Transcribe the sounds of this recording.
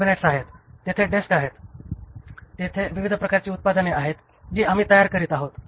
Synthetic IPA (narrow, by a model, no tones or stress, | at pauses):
bineʈsaɦet̪ːjet̪ʰeɖeskaɦet̪ | et̪ʰeʋiʋid̪ʱəpɾəkaɾt͡ɕiːut̪̚pad̪əneaɦet̪ | d͡ʑiːam̤iːt̪əjaɾkəɾiːt̪aɦot̪